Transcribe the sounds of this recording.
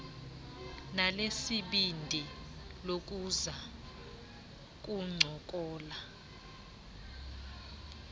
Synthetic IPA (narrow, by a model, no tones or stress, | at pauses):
nalesiɓindʱi | lok̬uza | k̬ʼuŋ͡ǀʱɔk̬ʼɔːla